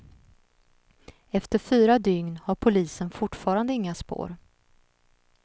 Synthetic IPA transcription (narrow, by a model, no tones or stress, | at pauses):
ɛft̪əɾfyːɾad̪ʏŋnhaɾpʰʊliːsənfʊʈfɑːɾand̪əɪŋːaspo̰ːɾ